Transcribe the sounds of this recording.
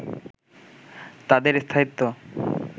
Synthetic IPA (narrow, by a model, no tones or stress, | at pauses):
t̪ad̪eɾst̪ʰaɦit̪ːo